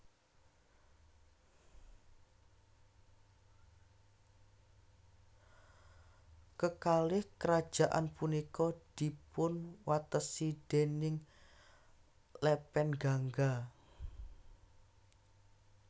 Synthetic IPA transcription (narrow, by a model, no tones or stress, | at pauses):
kəkalɪhkəɾad̥ʒ̥a̤ʔa̰npunikɔd̪̥i̤pʊnwat̪əsid̪̥enɪŋ | lɛpɛnɡaŋɡa